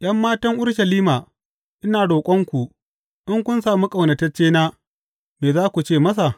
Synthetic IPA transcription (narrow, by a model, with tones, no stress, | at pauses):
j̰ʔɐ˦mːaː˦tɐ˦ŋʔʊ˦ɽʃɐ˨liː˦maː˨ | ʔɪ˦naː˨ɽoː˨kʷʼɔ˦ŋkʷu˨ʔ | ʔɪ˦ŋkʷʊ˦nsaː˨mu˦kʼa˨wnɐ˨tɐ˦t͡ʃːeː˦naː˦ | meː˨zaː˦kʷu˨t͡ʃeː˦˨mɐ˦s̬a˨